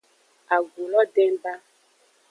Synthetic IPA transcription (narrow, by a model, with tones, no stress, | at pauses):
a˨ɡu˨lɔ˦ɖɛ˦m˦ba˦